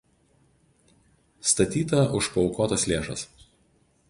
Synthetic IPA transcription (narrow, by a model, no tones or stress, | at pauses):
st̪ɐt̪ʲiːt̪ɐʔʊʃpɐʊkoːt̪ɐslʲeːʃɐ̰s